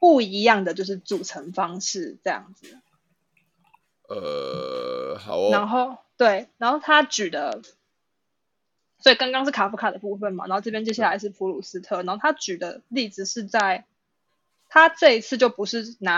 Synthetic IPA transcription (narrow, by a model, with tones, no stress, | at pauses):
pu˥˩i˧˥jɑ˥˩ŋd̪ə˨˩t͡ɕjo˥˧ʊʂɻ̩˥˩t͡su˨˩ʈ͡ʂʰə˧˦ŋfɑ˦ŋʂɻ̩˥˩ʈ͡ʂɤ˥˧jɑ̰˥˩ŋd͡z̩˩ | ə̰˩ | hna˧˦nxo˥˧ʊt̪we˥˩ɪna˧˦nxo˥˩ʊt̪ʰa˦t͡ɕy˨˩d̪ə˦ | swɔ˧˥i˨˩kɑ˥ŋkɑ˥ŋʂɻ̩˥˩kʰa˨˩fu˧˥kʰa˨˩d̪ə˩pu˥˧fə˥˩nm˨˩n̰˨˧˦o˥˧ʈ͡ʂpjɛ˥nt͡ɕjɕja˥˩la˧˥ɪʂɻ̩˥˩pʰu˧˥lu˨˩s̩˥t̪ʰɤ˥˩na˨˧˥xo˥˩t̪ʰa˥t͡ɕy˨˩d̪ə˩li˥˩d͡zɹ̩˨˩ʂɻ̩˥˧t͡sa˥˩ɪ | t̪ʰa˥ʈ͡ʂɤ˥˧i˧t͡s̩ʰ˥˧t͡ɕjo˥˩ʊpu˧˦ʂɻ̩˥˩na˨˦